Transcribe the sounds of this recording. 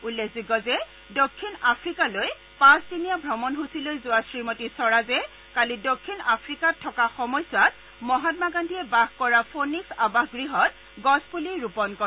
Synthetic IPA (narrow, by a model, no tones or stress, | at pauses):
ulːekʰziɡɔzɛ | dokʰːinapʰɹikaloj | pãstinijabʱɹɔmɔnɦusilojzʊwasɹimotisɔɹazɛ | kalidokʰːinapʰɹikatʰːɔkaxɔmɔjsat | mɔɦat̚maɡandʱiɛbaɡkɔɹapʰoniksabaxɡɹiɦɔt̚ | ɡɔspuliɹupɔnkɔ